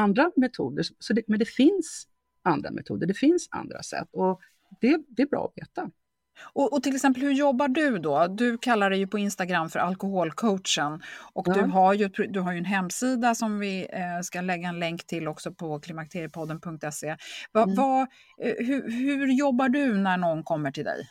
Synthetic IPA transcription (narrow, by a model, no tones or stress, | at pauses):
and̪ɾamɛt̪ʰuːd̪əʂɔsɔd̪ɛmɛnd̪ɛfɪns | and̪ɾa̰mʔɛ̰t̪ʰṵːd̪əɖɛfɪnsa̰nd̪ɾa̰sɛ̰t̪ːɔ | d̪̥ɛd̪ɛːɾbɾɑ̰ːɔvḛːt̪a | ɔʔɔt̪ʰɪlɛksɛmp̬əlhɵɾjɔbːaɖɵd̪ɔd̪ɵkʰalːaɖ̪ɛjɵpʰɔɪnst̪aɡɾamːfœɾʔalkʊɦoːlkʰowtʂənʔɔkd̪ɵɦaɾjɵt̪̚pʰɾd̪ɵɦaɾjɵɛnɦɛmːsiːd̪asɔmvɪskalɛɡːaɛnlɛŋkt̪ʰɪlɔksɔpʰɔkʰlɪmak̚t̪ʰeːɾɪjəpʰɔd̪ːənpʰɵŋk̚t̪ɛsevava | ɦɵhʉ̟ɾjɔbːaɖɵnæɳɔnːkʰɔmːəʈʰɪld̪ɛ̰j